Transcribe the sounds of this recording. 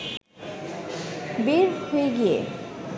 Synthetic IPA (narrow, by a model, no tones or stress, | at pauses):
beɾhoeɡijḛ